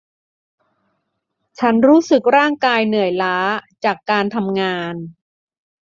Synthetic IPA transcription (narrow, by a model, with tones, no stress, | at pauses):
t͡ɕʰa˦˥nɾuː˦˥sɯ˨˩k̚ɾaː˥˩ŋkaː˧jnɯ˨˩əjlaː˦˥t͡ɕaː˨˩kːaː˧nt̪ʰa˧mŋaː˧n